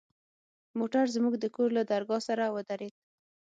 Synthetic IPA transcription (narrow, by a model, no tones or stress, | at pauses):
moʈaɾzmuɡd̪əkoɾlad̪aɾɡɑsaɾawəd̪aɾed̪̚